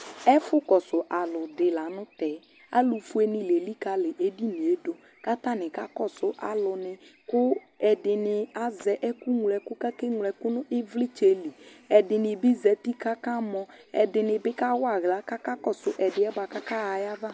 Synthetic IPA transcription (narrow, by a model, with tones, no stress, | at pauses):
ɛ˦fʊ˦kɔ˨sʊ˨ʔa˨lʊ˨dɪ˨la˨nʊ̃˦tɛ˨˦ | a̰˦lu˨fu˦e˦nɪ˨le˨li˦ka˨lɪ˨ʔe˦di˦ni˨e˦do˦ | ka˦ta˦nɪ˨ka˦kɔ˦sʊ˦ʔa˨lʊ˨nɪ˨kʊ˦ | ɛ˨dɪ˨nɪ˨a˨zɛ˨ʔɛ˦ku˦ŋ˨lɛ˨kʊ˦ka˦ke˦ŋ˨lɛ˨kʊ˦nʊ˦ʔɪ˦vlɪ˦t͡ʃe˦li˨ɛ˨dɪ˨nɪ˨bɪ˦zɛ˨ti˦ka˦ka˦mɔ˦ɛ˨dɪ˨nɪ˨bɪ˦ka˦wa˦˨ɣla˦ka˦ka˦kɔ˦˨sʊ˨ʔɛ˨dɪ˨˦ɛ˦ɡ͡ba˨ka˦ka˦a˨ja˦va˦˨